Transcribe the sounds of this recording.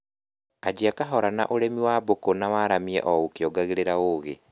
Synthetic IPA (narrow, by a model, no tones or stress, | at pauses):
ad͡ʑiakaɦɔɾana̰ʔoɾɛmiwaːbokonawaːɾamiɛ̰ʔɔokjɔɡaɣeɾeɾaoːɣe